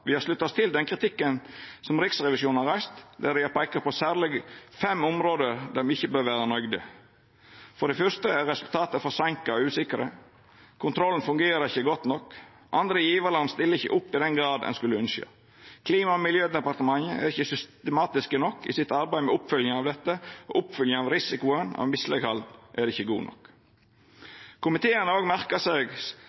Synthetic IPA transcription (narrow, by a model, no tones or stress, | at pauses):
ʋɪhɑɾʂlʉt̪ːɑst̪ʰɪld̪ɛnkʰɾɪt̪ʰɪkːənsɔmɾɪksɾɛʋɪʃuːnnhɑɾæɪst̪d̪æɾɪjɑpʰæɪkəɾpʰɔsæːɾlɪɡfɛmʊmɾoːd̪əɾd̪æmɪçːəbøːɾʋæːɾənœɡd̪ə̰ | fɔɾɖɛfœst̪əæɾɛsʉlt̪ʰɑːt̪əfɔsɛŋkɑɔʉːsɪkəɾə̰ | kʰʊnt̪ʰɾɔln̩fʉŋɡeːɾəɾɪçːəɡɔt̪nɔkː | ʔɑnd̪ɾəjiːʋəɾlɑnst̪ɪləɪçːə̰ʔʊpːɪd̪ɛnɡɾɑːd̪ɛ̰nskʉləʉnsjø̰ː | kʰliːmɑɔmɪljøːd̪ɛpɑɾt̪əmɑŋːəʔæ̰ɾɪçːəsʏst̪əmɑːt̪ɪskənɔkʰːɪsɪt̪ɑɾbæɪmɛʊpfʏljəŋɑʋd̪ɛt̪ːəɔʔʊpfʏljəŋɑʋɾɪsɪkʊənɑ̰ʋmɪslɛ̰ɡhɑld̪ʔædɛɪçːəɡṵːnɔ̰k | kʰʊmɪt̪ʰeːənəoːɡmæɾkəsɛːɡ